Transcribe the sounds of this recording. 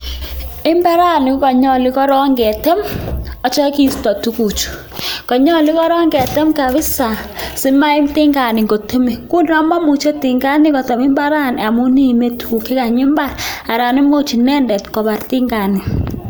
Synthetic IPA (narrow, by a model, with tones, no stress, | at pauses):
ɪ˦mba˦ɾa˦˨nɪ˨˦kɔ˨ɲɔ˨lɪ˦kɔ˦ɾɔ˦ŋɡɛ˨tɛ˦mɔ˦t͡ʃɔ˦ki˦stɔ˨tu˦ku˨t͡ʃu̥˨ | kɔ˨ɲɔ˦lɪ˦kɔ˦ɾɔ˦ŋɡɛ˨tɛ˦mka˨βɪ˦sa˨sɪ˦ma˦ɪ˦mtɪ˦ŋɡa˨nɪ˨ŋɡo˨to˦me˨kʊ˦n˦a˨˦ma˦mu˨t͡ʃo˦tɪ˨ŋɡa˦nɪ˦kɔ˨tɔ˨mɪ˦mba˦ɾa˦˨n˨a˨mu˦ni˦˨me˦tʰu˨ke˦ka˨ɲɪ˦mba˦˨la˨ɾa˨ni˦mo˦t͡ʃi˨nɛ˦ndɛ˨tkɔ˨ba˨ɾtɪ˦ŋɡa˨ni˨